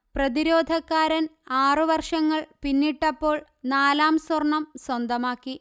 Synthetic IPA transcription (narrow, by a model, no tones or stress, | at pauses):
prɐðiɾo̞ːd̪ʱɐkːaːɾɐnaːrɨʋɐrʂɐŋːɐɭpinːiʈːɐpːo̞ːɭ | naːlaːmswɐrɳɐmswɐnd̪ɐmaːkːi